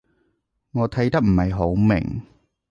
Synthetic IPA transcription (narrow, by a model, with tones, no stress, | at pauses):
ŋɔː˨˧t̪ʰɐ˨˥jt̪ɐ˥k̚m̩˨˩hɐ˨jɦo˨˥wmɪ̰˨˩ŋ